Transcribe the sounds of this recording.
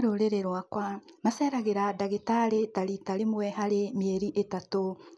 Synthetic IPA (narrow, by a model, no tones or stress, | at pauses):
ɾoɾeɾeɾwakwamasɛɾaɣeɾadaɣetaɾetaɾitaɾemwɛhaɾemeeɾiʔetato